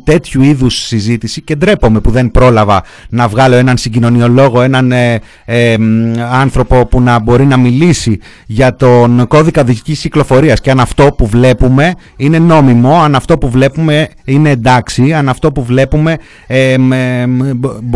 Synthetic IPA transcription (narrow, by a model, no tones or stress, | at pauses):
t̪e̞t̪çuiðusːizit̪isicend̪ɾe̞po̞me̞puðe̞npɾo̞lɐvɐ | nɐvɣɐlo̞enɐnsiɟino̞nio̞lo̞ɣo̞e̞nɐn | emɐnθɾo̞po̞punɐbo̞ɾinɐmilisi | ʝɐt̪o̞nko̞ðikɐðicicisciklo̞fo̞ɾiɐsceɐnɐft̪o̞puvle̞pume̞ | ine̞no̞mimo̞ɐnɐft̪o̞puvle̞pume̞ine̞ːnd̪ɐksiɐnɐft̪o̞puvle̞pume̞